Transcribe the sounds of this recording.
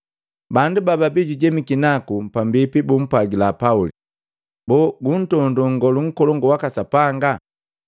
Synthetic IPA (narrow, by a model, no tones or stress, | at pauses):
bandubababiɟuɟɛmikinakupambipibum̩paɡilapauli | bɔɡun̩tɔndɔŋ̩ɡɔluŋ̩kɔlɔŋɡɔwakasapaŋɡa